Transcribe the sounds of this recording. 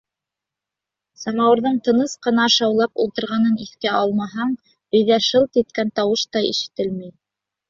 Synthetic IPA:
sɑmɑwɤ̆ɾðɤɴt̪ɤ̆nɤsqɤ̆nɑʃɑwlˠɑpulˠt̪ɤ̆ɾʁɑnɤniθkæʔɑlˠmɑɦɑɴ | ɵ̆jðæʃɤlˠt̪ɘt̪̚kænt̪ɑwɤʃt̪ɑḭʃɘ̥̆t̪ɘlmij

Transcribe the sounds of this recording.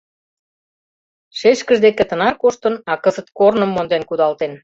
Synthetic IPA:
ʃeʃkəʒd̪eket̪ə̆nɑrkoʃt̪ənɑkəzət̪̚kornəmːond̪enkud̪ɑlt̪en

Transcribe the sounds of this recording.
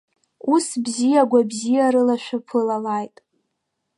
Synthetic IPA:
usbzijaɡʷabzijaɾɨlaʃʷᶣapʰɨlalajtʼ

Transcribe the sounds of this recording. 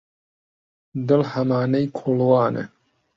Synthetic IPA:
d̪ɨlhɐmaːnejkʰolwɑːnḛ

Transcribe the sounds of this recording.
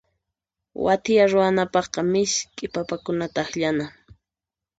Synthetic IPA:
wa̰t̪ɪjaɾʊanapɑχqɑmɪʃkʼɪpapakʊnat̪aːxʎana

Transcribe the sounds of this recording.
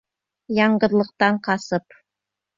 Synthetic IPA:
jɑɴɢɤ̆ɾlˠɤ̆q̚t̪ɑɴqɑsɤp

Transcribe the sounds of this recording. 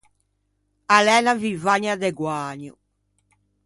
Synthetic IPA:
alɛːnavivaɲad̪ɛɡwaːɲṵ

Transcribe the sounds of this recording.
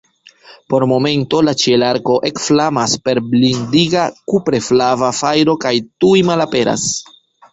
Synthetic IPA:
po̞ɾmo̞me̞nto̞lat͡ʃielaɾko̞ʔe̞kflamaspe̞ɾblindiɡakupɾe̞flavafajɾo̞kajtujmalape̞ɾa̰s

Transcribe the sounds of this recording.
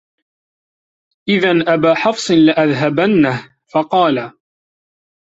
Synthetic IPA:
ʔɪðanʔabaːħɑfsˤɨnlaʔaðɦabanːah | fɑqɑːla

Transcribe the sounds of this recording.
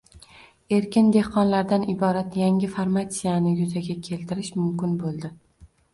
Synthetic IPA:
e̞ɾkʲɪnd̪e̞hqɒnlaɾd̪anɪbɒɾat̪jaŋʲɪfaɾmat̪sijanɪjʊzaɡʲakʲʰe̞lt̪ɪɾɪʃmʊmkʲɪnbolˠd̪ɪ

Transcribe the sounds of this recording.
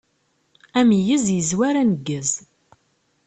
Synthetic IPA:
æmijəzjəzwæɾænəɡːəz

